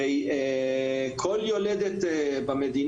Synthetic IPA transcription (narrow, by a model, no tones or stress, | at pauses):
ɛj | kʰoljoled̪et̪bamed̪in